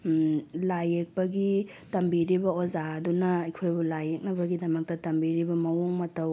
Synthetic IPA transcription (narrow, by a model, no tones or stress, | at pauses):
lajek̚pɐɡi | tɐmbiɾibɐozaɐdunɐːjkʰojbulajek̚nɐbɐɡidɐmɐk̚tɐtɐmbiɾibɐmɐwoŋmɐtɐw